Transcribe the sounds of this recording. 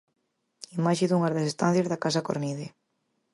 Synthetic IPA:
imaʃɪðuŋaɾðesest̪an̟θjezðakas̬ako̰ɾniðe

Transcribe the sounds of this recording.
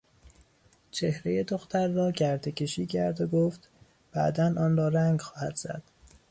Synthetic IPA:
t͡ʃʰe̞hɾeje̞d̪oxt̪ʰæɾːɒːɟæɾd̪ecʰeʃiːcʰæɾd̪oɡoːft̪ | b̥æ̰d̪ænɒːnrɒːɾæŋɡxɒːhæd̪̥z̥æ̰d̪̥

